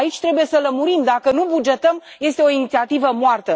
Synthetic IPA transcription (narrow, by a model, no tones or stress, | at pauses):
ait͡ʃʲt̪ɾe̞buje̞sələmuɾimd̪akənubud͡ʒe̞t̪əmje̞st̪e̞o̞init̪siat̪ivəmoart̪ə